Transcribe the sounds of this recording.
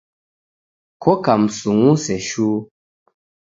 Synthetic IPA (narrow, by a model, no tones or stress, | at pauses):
kokam̩suŋusɛʃu